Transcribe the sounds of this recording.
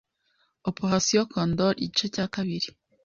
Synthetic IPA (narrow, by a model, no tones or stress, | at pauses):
opoɦasijokʰond̪oɾḭɟit͡ʃocaːkaβiɾi